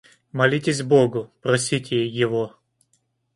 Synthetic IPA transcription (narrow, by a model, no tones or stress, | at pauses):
mɐlʲitʲɪsʲboɡʊpɾɐsʲitʲɪjɪvo